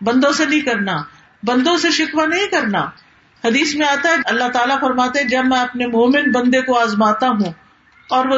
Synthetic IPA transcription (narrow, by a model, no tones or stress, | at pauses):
bɐ̃nd̪õsenɐɦĩkɐɾnaː | bɐ̃nd̪õseʃɪkʋanɐɦĩkɐɾnaː | hɐd̪iːsmẽaːt̪aɦɛɐlːaɦt̪aːlafɐɾmaːt̪eɦɛ̃d͡ʒɐbmɛ̃ɐpnemoːmɪnbɐ̃nd̪ekoaːzmaːt̪aɦũ | ɔːɾʋo